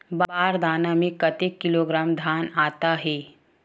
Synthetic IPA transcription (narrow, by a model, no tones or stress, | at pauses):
bbaːɾd̪ʱaːnamẽkɐt̪ekːɪloːɡɾaːmd̪ʱaːnaːt̪aɦɛː